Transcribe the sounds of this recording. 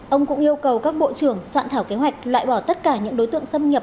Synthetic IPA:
ʔə˧wŋ͡mkʊ̰˧˥ŋʔi˧əwkə˨˩wkaː˦˥k̚ɓo̰˧˨t͡ɕɨ˧˩əŋswa̰ː˧˨nt̪ʰaː˧˩wke˨˦ɦwa˨˩k̟̚lwa̰ː˧˨jɓɔ˧˩t̪ə˦˥t̚kaː˧˩ɲɨ̰˧˥ŋɗo˨˦jt̪ɨ̰˧˨əŋsə˧mɲə˨˩p̚

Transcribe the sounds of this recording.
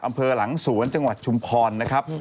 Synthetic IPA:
ʔa˧mpʰɤː˧la˩˦ŋsu˩˦ənt͡ɕa˧ŋwa˨˩t̪̚t͡ɕʰu˧mpʰɔː˧nːa˦˥kʰɾa˦˥p̚

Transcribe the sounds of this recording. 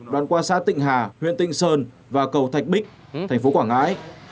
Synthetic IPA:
ɗwaː˧˨nkwaː˧sa̰ː˧˥t̪ḭ˧˨ŋ̟ɦaː˨˩hwḭ˧˨ənt̪ï˧˨ŋ̟səː˧n | vaː˨˩kə˨˩wt̪ʰa˨˩jk̟̚ɓï˦˥k̚ | t̪ʰɛ˨˩ŋ̟fo˨˦kwaː˧˩ŋa̰ː˧˥j

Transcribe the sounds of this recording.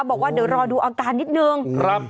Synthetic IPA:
bɔː˨˩k̚waː˥˩di˩˦wɾɔː˧duː˧ʔaː˧kaː˧nːi˦˥t̪̚nɯ˧ŋkʰɾa˦˥p̚

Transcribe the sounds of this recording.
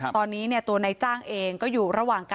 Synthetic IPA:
t̪ɔː˧nːiː˦˥ni˥˩ɐt̪u˧ɐna˧jt͡ɕaː˥˩ŋʔeː˧ŋkɔː˥˩juː˨˩ɾa˧waː˨˩ŋka˧

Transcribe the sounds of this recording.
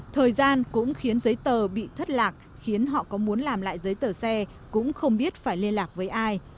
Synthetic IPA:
t̪ʰəː˨˩jzaː˧nkʊ̰˧˥ŋ͡mxi˨˦ənzə˨˦jt̪əː˨˩ɓḭ˧˨t̪ʰə˦˥t̚laː˨˩k̚ | xi˨˦ənɦɔ̰˧˨kɔ˨˦mu˨˦ənlaː˨˩mla̰ː˧˨jzəː˨˦jt̪əː˨˩sɛ˧ | kʊ̰˧˥ŋ͡mxə˧wŋ͡mɓi˦˥ət̚faː˧˩jli˧ənlaː˨˩k̚vəː˨˦jʔaː˧j

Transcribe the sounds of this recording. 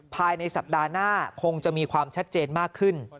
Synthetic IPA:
pʰaː˧jna˧jsa˨˩p̚daː˧naː˥˩kʰo˧ŋt͡ɕa˨˩miː˧kʰwaː˧mt͡ɕʰa˦˥t̪̚t͡ɕeː˧nmaː˥˩kʰːɯ˥˩n

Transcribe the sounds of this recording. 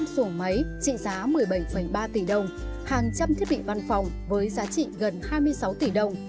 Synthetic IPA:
mso˧˩nma˨˦jt͡ɕḭ˧˨zaː˨˦mɨ˨˩əjɓə˧˩jfə˧˩jɓaː˧t̪i˧˩ɗə˨˩wŋ͡mhaː˨˩ŋt͡ɕa˧mt̪ʰi˦˥ət̚ɓḭ˧˨va˧nfɔ˨˩wŋ͡m | vəː˨˦jzaː˨˦t͡ɕḭ˧˨ɣə˨˩nhaː˧jmɨ˧əjsa˨˦wt̪i˧˩ɗə˨˩wŋ͡m

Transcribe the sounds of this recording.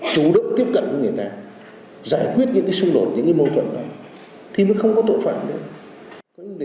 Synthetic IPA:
t͡ɕu˨˦ɗɨ̰˧˨ŋt̪i˦˥əp̚kə̰˧˨nt͡ɕu˧˨˦ŋɨ˨˩əjt̪aː˧ | zaː˧˩jkwi˦˥ət̚ɲɨ̰˧˥ŋkaː˨˦jsʊ˧ŋ͡mɗo˨˩t̚ɲɨ̰˧˥ŋkaː˨˦jmo˧t̪ʰwə̰˧˨nɗɔ˨˦ | t̪ʰi˨˩mə̰˧˥nxə˧wŋ͡mkɔ˨˦t̪o̰˧˨fa̰ː˧˨mɗɨ̰˧ə | kɔ˨˦ɲɨ˧˥ɗ

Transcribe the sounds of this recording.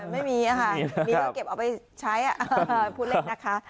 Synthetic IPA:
ma˥˩jmiː˧ʔa˨˧˩kʰa˥˩niː˦˥˩ke˨˩p̚ʔa˨˩wpa˧j | t͡ɕʰa˦˥jʔa˨˩ʔpʰu˥˩le˩na˦˥kʰa˦˥ʔ

